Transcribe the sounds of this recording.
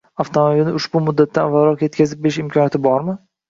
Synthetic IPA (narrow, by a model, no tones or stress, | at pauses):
aft̪ʰomabilnɪʊʃbʊmʊd̪ːat̪ʰːanvaɾɒqje̞t̪kʲʰazɪp̚beɪʃɪmkʰɒnjat̪ʰɪbɒɾmɪ